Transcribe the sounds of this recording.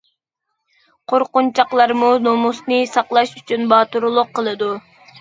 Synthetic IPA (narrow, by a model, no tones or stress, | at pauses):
qʰoɾqʊnt͡ʃʰɑqlˠɑɾmunomusnɨsɑqlˠɑʃyt͡ʃʰynbɑːt̪uɾulˠʊqʰːəlˠɨd̪u